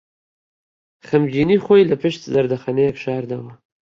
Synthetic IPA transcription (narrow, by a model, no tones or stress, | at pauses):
xamd͡ʒinixojlapɪʃt̪zaɾd̪axanekʃɑːɾd̪awa